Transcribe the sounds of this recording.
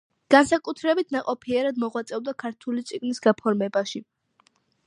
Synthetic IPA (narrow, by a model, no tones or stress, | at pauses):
ɡ̥ansakʼut̪ʰɾɛbit̪ʰnaqʼɔpʰiɛɾad̪mɔʁwat̪sʼɛvd̪akʰaɾt̪ʰulit̪sʼiɡnisɡapʰɔɾmɛbaʃi